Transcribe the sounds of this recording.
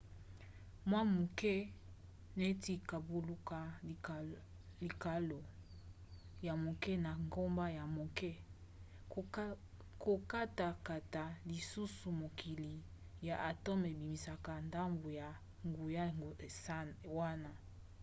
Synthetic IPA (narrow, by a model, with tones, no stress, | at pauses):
mwa˦mu˨kɛ˦ | ne˦ti˦ka˨bu˨lu˦ka˨ | li˨ka˨lo˨ | ja˨mo˨kɛ˦na˨ŋɡo˦mba˦ja˨mo˨kɛ˦ | ko˨ka˦ta˨ka˨ta˨li˨su˦su˨mo˨ki˨li˨ | ja˨ʔa˨to˦me˨bi˨mi˨sa˨ka˨nda˦mbo˨ja˨ | ŋɡu˨ja˦ɡsa˦wa˦na˦